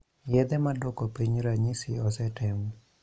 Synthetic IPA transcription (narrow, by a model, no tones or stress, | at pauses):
jɛd̪ɛmadɔkɔpiɲɾaɲisiɔsɛtɛm